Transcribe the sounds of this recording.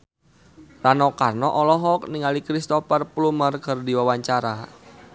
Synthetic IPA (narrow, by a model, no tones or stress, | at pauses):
ranɔkarnɔʔɔlɔɦɔk̚niŋalikɾist̪ɔpərplumərkərdiwawaɲt͡ʃaɾa